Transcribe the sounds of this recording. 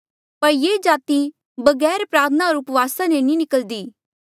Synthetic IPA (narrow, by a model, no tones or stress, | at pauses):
pɐɾjeːd͡ʒaːt̪i | bɐɡɛːɾpɾaːt̪ʰənaɔːɾʊpʋaːsanenĩnɪkəld̪iː